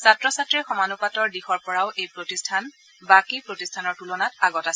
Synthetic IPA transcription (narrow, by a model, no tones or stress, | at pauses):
satɹɔsatɹixɔmanupatɔɹdixɔɹpɔɹaʊʔejpɹotistʰan | bakipɹotistʰanɔɹtulɔnataɡɔtas